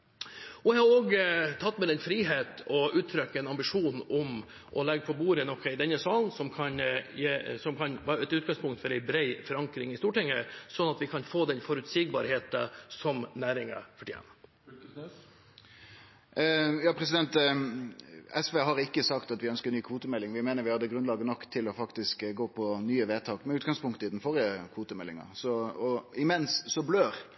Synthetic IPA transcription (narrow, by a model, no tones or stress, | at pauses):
ɔʋɪhɑɾoːɡt̪ʰɑt̪ːmɛd̪ɛnfɾiːɦeːt̪ɔʔʉːt̪ʰːɾœkːəɛnɑmbɪʂuːnɔm | ʔɔlɛɡːəpʰɔbuːɾənɔkʰːəɪd̪ɛnːəsɑːlnsɔmkʰɑnjesɔmkʰɑnʋɑːɾɛt̪ʉːt̪̚ɡɑŋspʰʊŋkt̪fɔɾɛɪbɾeɪfɔɾɑŋkɾɪŋɪst̪uːʈɪŋːəsɔnːɑt̪ʋɪkʰɑnfoːd̪ɛnfɔɾʉt̪siːɡ̚bɑ̰ɾheːt̪əsɔmnæːɾɪŋə̰fɔʈʰiɛ̰n | jɑːpʰɾɛsɪd̪ɛnt̪ | ɛsʋeːɦɑɾɪkːəsɑkt̪ɑt̪ʋɪœnskəɾnyːkʰʋuːt̪əmɛlːɪŋʋɪmeːnəɾʋɪhɑd̪ːəɡɾʉnlɑːɡənɔkːt̪ʰɪlɔfɑkt̪ɪskɡoːpʰɔnyːəʋeːt̪ʰɑːkmɛnʉːt̪ɡɑŋspʊŋkt̪əɪd̪ɛnfɔɾɪəkʰʋuːt̪əmɛlːɪ̰ŋɑ̰sɔɔɪmɛnsːɔbløːɾ